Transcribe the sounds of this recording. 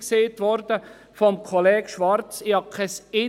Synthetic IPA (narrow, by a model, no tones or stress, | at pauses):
kseːtʋɔɾd̥ə | fɔmkʰɔlɛːɡ̥ʃʋɑɾt͡sɪhɑkʰɛsɪ